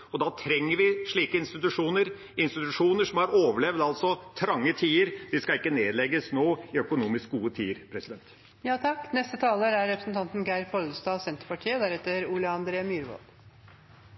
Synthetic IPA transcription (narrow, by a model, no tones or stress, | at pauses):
ɔd̪ɑt̪ʰɾɛŋːəɾʋɪʂɭiːkəɪnst̪ɪt̪ʉʂuːnəɾ | ɪnst̪ɪt̪ʉʂuːnəʂɔmhɑɾoːʋəɭɛʋd̪ɑlt̪sɔt̪ʰɾɑŋːət̪ʰiːəɾd̪ɪskɑɪkːəneːd̪lɛɡəsnoːɪœkʊnuːmɪsk̚ɡuːət̪ʰḭːəɾpʰɾɛsɪd̪ɛnt̪ | jɑːt̪ʰɑkːnɛst̪ət̪ʰɑːləɾæɾɾɛpɾəsnt̪ʰɑnt̪nɡæɪɾpʰɔld̪əst̪ɑːsɛnt̪ɾpɑʈʰiːəd̪æɾɛt̪ːəɾuːljəɑnd̪ɾeːəmjyɾʋɔ̰l